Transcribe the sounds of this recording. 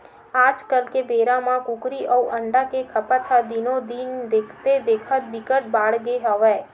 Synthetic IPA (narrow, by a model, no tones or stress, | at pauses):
ad͡ʒkəlkebeɾamãkũkɾiʔəuʔəɳɖakekʰəpat̪ʰad̪inod̪ind̪ekʰt̪ed̪ekʰat̪bikəʈ̚baɽɡeɦəʋe